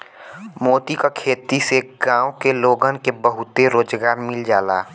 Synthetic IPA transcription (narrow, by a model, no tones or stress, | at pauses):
moːt̪ikakʰeːt̪iseɡãːõkeloːɡənkebəɦʊt̪eɾoːd͡ʒɡaːɾmɪld͡ʒaːlaː